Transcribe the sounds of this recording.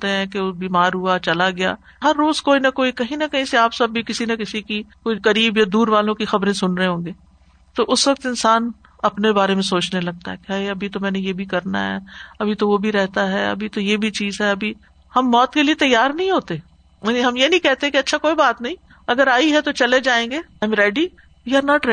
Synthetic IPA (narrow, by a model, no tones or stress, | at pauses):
t̪eɦɛ̃ːkeʊbiːmaːɾɦuat͡ʃɐlaɡɪja̰ː | ɦɐɾːoːzkoːinɐkoːikɐɦĩnɐkɐɦĩseaːpsɐbːʱikɪsinɐkɪsikikoːikɐɾiːbjad̪uːɾʋaːlõkixɐbɾẽsʊnɾɐɦẽɦõːɡeː | t̪oʔʊsʋɐk̚t̪ɪnsaːn | ɐpnebaːɾemẽs̬oːt͡ʃnelɐɡ̚t̪aɦɛkeɦɐiɐbʱit̪omɛ̃ːnejeːbʱikɐɾna̰ɦɛ̰ɐbʱit̪oʋobʱiɾɛɦt̪aɦɛɐ̰bʱit̪ojeːbʱit͡ʃiːzɦɛɐbʱi | hɐmːɔːt̪keliet̪ɐjːaːɾnɐɦĩɦoːt̪e | mɐniɦɐmjenɐɦĩkɛɦt̪eɦɛ̃keiɐtːʃʰakoːibaːt̪nɐɦĩː | ɐɡəɾaːiɦɛt̪ot͡ʃɐled͡ʒaːẽːŋɡeːãɪ̃mɾɛːɖi | jaːɾnaːʈɾ